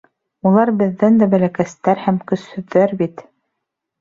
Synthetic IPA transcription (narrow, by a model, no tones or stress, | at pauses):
ulˠɑɾbɘ̆ðːænd̪æbæ̆lækæst̪æɾhæmkɵ̆shɵ̆ðːæɾbit̪